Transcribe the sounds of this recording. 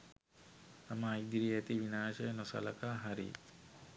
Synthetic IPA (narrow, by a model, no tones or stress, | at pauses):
t̪amɐːjd̪iɾiet̪iʋinaːʃɐjnosɐ̰lɐkaɦɐɾḭ